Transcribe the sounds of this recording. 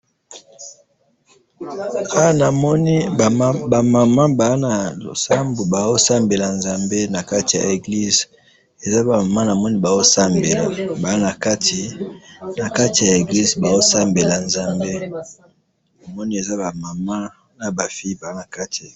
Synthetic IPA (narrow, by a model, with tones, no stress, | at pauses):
a˦wa˦na˨mɔ˦ni˦˨ba˨ma˨ma˦ba˨˦na˨o˨sa˦mbo˨ba˨zo˦sa˦mbe˨la˨nza˨mbe˦na˨ka˦ti˨ja̰˨e˨ɡli˦z | e˨za˦ba˨ma˨ma˦na˨mɔ˦ni˦ba˨o˦sa˦mbe˨la̰˨ba˨a˦na˨ka˦ti˨na˨ka˦ti˨ja˨e˨ɡli˦zba˨o˦sa˦mbe˨la˨nza˦mbe˦ | na˨mɔ˦ni˦e˨za˦ba˨ma˨ma˦ | na˨ba˨fi˦i˦ba˨a˦na˨ka˦tʰi˨